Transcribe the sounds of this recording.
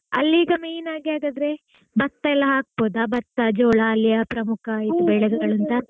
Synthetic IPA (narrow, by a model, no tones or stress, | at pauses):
ɐ̰lːiːɡɐmejnaːɡiaːɡaːd̪ɾe̞ | bɐt̪ːɐɛlːɐɦaːk̚boːd̪abɐt̪ːɐd͡ʒoːɭɐːlːijɐpɾɐmukʰajit̪ubɛɭɐɡɐɡɐɭɐnt̪ɐ